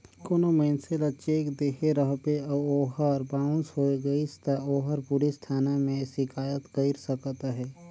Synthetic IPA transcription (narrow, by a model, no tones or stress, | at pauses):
koːnoməɪnselət͡ʃekd̪eːkʰeɾəɦpeɐoːɦəɾbaːʊ̃nsɦoːeɡɐist̪aoːɦəɾpʊɾist̪ʰaːnamẽʃɪkʰaːjət̪kəɪɾsəkt̪aɦɛː